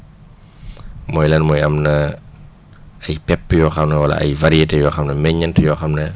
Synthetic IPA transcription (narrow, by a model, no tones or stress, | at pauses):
mɔjlɛnmɔːjɐmnɐ | ɐjpɛpːəjɔːxɐmnɐwɐlɐ̰ɐ̰jvaɾietejɔːxɐmnɐmɛɲɐntjɔːxɐmnɐ